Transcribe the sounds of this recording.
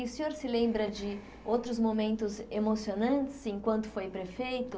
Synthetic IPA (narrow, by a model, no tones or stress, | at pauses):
ʊsẽɲoɾsɪlẽmbɾɐd͡ʒɪ | owt̪ɾʊzmomẽnt̪ʊzemosionɐ̃nt͡ʃɪ̥zẽkwɐ̃nt̪ʊ̥fojpɾefejt̪ʊ